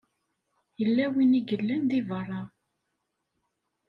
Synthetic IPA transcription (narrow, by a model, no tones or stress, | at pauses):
jəlːæwiniɡəlːænðivərˤːɑ